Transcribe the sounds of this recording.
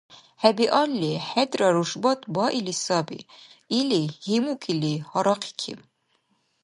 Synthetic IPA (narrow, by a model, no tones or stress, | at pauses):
hæbiʔɑlːiħæd̪rɑɾuʃbɑt̪ʰʼbɑʔilisɑbḭilihimukʰʼilihɑɾɑqʰi̥kʰḭm